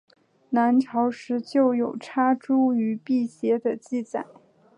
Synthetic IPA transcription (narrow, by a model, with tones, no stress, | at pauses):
na˧˥nʈ͡ʂʰɑ˧˥ʊʂɻ̩˧˥t͡ɕjo˥˩ʊjo˨˩ʊʈ͡ʂʰa˥ʈ͡ʂu˥y˧˥pi˥˩ɕjɛ˧˥d̪ə˧t͡ɕi˥˩t͡sa̰˨˩˦ɪ